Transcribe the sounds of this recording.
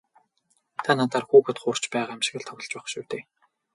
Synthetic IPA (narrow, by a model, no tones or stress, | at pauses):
t̪ʰanaːt̪ʰaːrxuːxɘ̆t̪χʊr̥t͡ɕpæːʁaːæmʃɪ̆ɣɘ̆ɮt̪ʰɔwɞ̆ɬt͡ɕæχʃuwt̪eː